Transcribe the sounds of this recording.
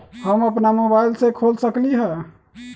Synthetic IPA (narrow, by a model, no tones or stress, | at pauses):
həməpnamobailsẽkʰolsəkliɦɛ